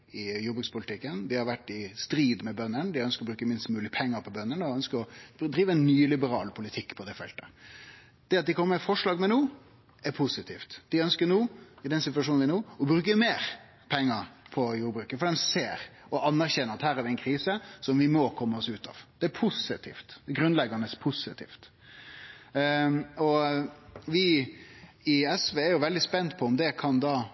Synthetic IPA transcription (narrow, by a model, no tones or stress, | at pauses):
ɪjuːbɾʉkspʊlt̪ʰɪkːənd̪ɪhɑɾʋæʈːɪst̪ɾiːd̪mɛbœnːənd̪ɪœnskəɾɔbɾʉːkəmɪnst̪mʉːlɪɡəpʰɛŋːəɾpʰɔbœnːənəɔœnskəɾɔd̪ɾiːʋəɛnːyːlɪbəɾɑːlpʰʊlɪt̪ʰɪkːpʰɔd̪ɛfɛ̰lt̪ə | d̪̥ɛɑt̪̚d̪ɪkʰɔmːəfɔʂɭɑːɡmɛnuː | æɾpʰusɪt̪ʰḭːft̪d̪̥ɪœnskəɾnuːɪd̪ɛnsɪt̪ʋɑʂ̬uːnnʋɪnuːɔbɾʉːkəmeːɾ | pʰɛŋːəɾpʰɔjuːɾbɾʉːkəfɔɾɛnseːɾɔʔɑnːæɾçɛnəɾɑt̪hæːɾæʋɪɛɪnkʰɾiːsəsɔmʋɪmɔkʰɔmːəɔsʉːt̪ɑ̰ːʋd̪̥ɛæɾpʰʊsɪt̪ʰḭːft̪ɡɾʉnlɛɡɑnəspʰʊsɪ̰t̪ʰḭːft̪ | ɔ | ʋɪ | ɪɛsʋeːæɾjʊʋɛld̪ɪspɛnt̪pʰɔɔmd̪ɛkʰɑnd̪ɑː